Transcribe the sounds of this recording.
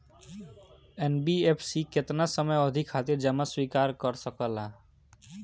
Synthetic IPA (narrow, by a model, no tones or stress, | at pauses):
enbiepʰsikɪt̪nasəməjɔd̪ʱikʰːat̪iɾd͡ʒəmaswiːkaːɾkəɾsəkəla